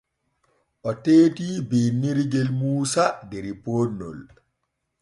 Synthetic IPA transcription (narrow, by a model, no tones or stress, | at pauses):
ʔɔteːtibeːnːiɾɡɛlmuːsadɛɾipoːnːɔ̰l